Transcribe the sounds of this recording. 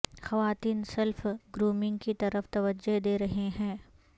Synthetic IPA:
xɐʋaːt̪iːnsɐlfɡɾuːmɪ̃ŋɡkit̪ɐɾəft̪ɐʋəd͡ʒod̪eːɾɐɦeɦɛ̃ː

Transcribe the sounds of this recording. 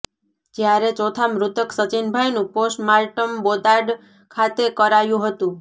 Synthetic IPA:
d͡ʒjaɾet͡ʃot̪ʰamɾʊt̪əksət͡ʃinbʱajnũposʈmaɾʈəmbod̪aɖ | kʰat̪ekəɾajũɦət̪ũ

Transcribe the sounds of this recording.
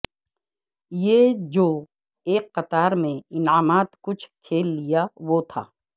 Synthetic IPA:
jeːd͡ʒoː | eːkːɐt̪aːɾmẽɪnaːmaːt̪kʊt͡ʃʰkʰeːlːijaʋot̪ʰa̰ː

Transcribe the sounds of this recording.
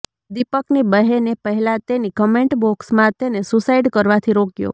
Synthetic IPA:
d̪ipəknibəɦenepəɦɛlãt̪enikəmẽɳʈbɔksmãt̪enesusaiɖkəɾʋat̪ʰiɾokjo̰

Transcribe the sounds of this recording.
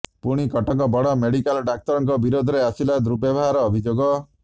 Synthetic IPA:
puɽ̃ikɔʈɔŋkɔbɔɽɔmeɽikalɔɖak̚t̪ɔɾɔŋkɔbiɾod̪ʱɔɾeasilad̪ɾubjabɔɦaɾɔːbʱid͡ʒoɡɔ

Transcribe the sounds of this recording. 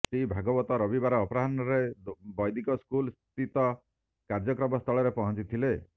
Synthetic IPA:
sibʱaɡɔbɔt̪ɔɾɔbibaɾɔːpɔɾaɦanɔɾebɔjd̪ʱikɔskulst̪it̪ɔ | kaɾd͡ʒɔkɾɔmɔst̪ʰɔɭɔɾepɔɦɔ̃nt͡ʃit̪ʰile

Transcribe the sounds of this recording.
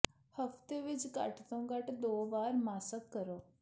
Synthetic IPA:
həft̪eʋid͡zka̰ʈt̪õŋɡaʈd̪oʋaɾmasəkːəɾo

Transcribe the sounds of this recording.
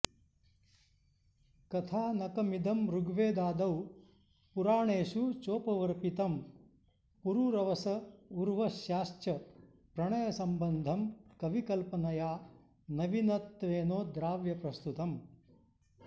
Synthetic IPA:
kɐt̪ʰaːnɐkɐmid̪ʱɐmɾuɡʋeːd̪aːd̪ɐw | puɾaːɳeːʃut͡ʃoːpɐʋɐɾpit̪ɐm | puɾuɾɐʋɐsɐuɾʋɐʃjaːʃtɐ | pɾɐɳɐjɐsɐmbɐnd̪ʱɐmkɐʋikɐlpɐnɐjaː | nɐʋinɐt̪ːʋeːnoːd̪ɾaːʋjɐpɾɐst̪ut̪ɐm

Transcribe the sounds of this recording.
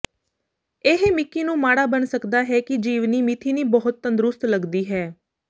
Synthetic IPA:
eɦemɪkːiːnũːmaːɽaːbənsəkd̪aːɦɛːkɪd͡ʒiːʋniːmit̪ʰiːniːbəɦʊt̪̚ːə̃nd̪ɾʊst̪ləɡd̪iːɦɛː

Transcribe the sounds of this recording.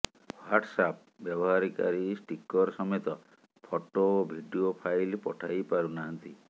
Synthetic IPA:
wwaʈsap | bjɔbɔɦaɾika̰ɾisʈikɔɾsɔmet̪ɔ | pʰoʈoːbʱiɖiopʰajlpɔʈʰajpaɾunaɦɔnt̪i

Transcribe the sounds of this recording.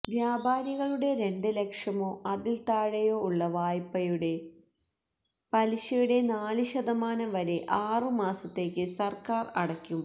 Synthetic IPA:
ʋjaːbʱaːɾiɣɐɭuɽe̞ɾe̞ɳɖɨle̞kʂɐmo̞ːʔɐðilt̪aːɻɐjo̞ːuɭːɐʋaːjpːɐjuɽe̞ | pɐliɕɐjuɽe̞naːlɨɕɐðɐmaːnɐmʋɐɾe̞ʔaːrɨmaːsɐt̪ːe̞ːkʲːɨsɐrkaːrɐɽɐkʲːum

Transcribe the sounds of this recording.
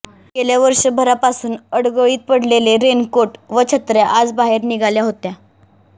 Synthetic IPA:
keljaʋəɾʂəbʱəɾapasuːnəɽɡəɭiːt̪̚pəɽleleɾenkoʈʋət͡ɕʰət̪ɾjaʔad͡zbaɦeɾniɡaljaɦot̪ja

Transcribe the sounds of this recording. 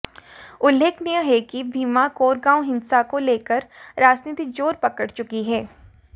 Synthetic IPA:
ʊlːeːknɪjə̃ɦɛkibʱiːmakoːɾɡãːwɦɪ̃nsakoleːkəɾɾaːd͡ʒniːt̪ɪk̚d͡ʒoːɾpɐkəɽt͡ʃʊkiɦɛː

